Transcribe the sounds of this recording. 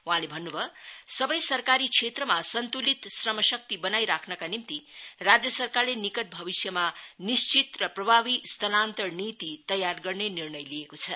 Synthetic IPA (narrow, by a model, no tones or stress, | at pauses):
wuɦãlebʱʌnːubʱʌsʌbʌjsʌrkaɾit͡sʰet̪rʌmasʌnt̪ulit̪srʌmʌsʌk̚t̪ibʌnajɾakʰnʌkanimt̪irad͡zjʌsʌrkarlenikʌʈ̪̚bʱʌbisjʌmanist͡ʃit̪rʌprʌbʱabist̪ʌnant̪ʌrnit̪it̪ʌjarɡʌrnenirnʌjliekot͡sʰʌ